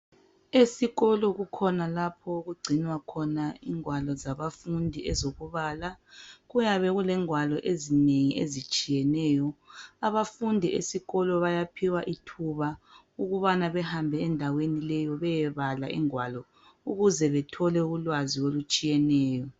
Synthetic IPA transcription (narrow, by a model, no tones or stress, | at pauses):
esiɣɔlɔɣukʰɔnalapʰɔoɣuɡ͡ǀʱinwakʰɔnaiŋwalɔzaβafundʱiɛzoɣuβaːlaɣujaβɛɣulɛŋwalɔʔezineŋiʔezit͡ʃʼijɛnɛːjɔaβafundʱiḛsiɣɔlɔβajapʰiwaʔitʰuβa | uɣuβanaβɛhambʱɛɛndʱawenilɛjɔβɛjɛβala̰ʔḭŋwalɔ | uɣuzɛβɛtʰɔlɛuulwaziolut͡ʃʼijɛnɛːjɔ